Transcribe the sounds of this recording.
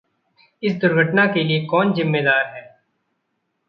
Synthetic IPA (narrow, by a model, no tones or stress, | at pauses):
ɪsd̪ʊɾɡʱəʈnakeliekɔːnzɪmːeːd̪aːɾɦɛː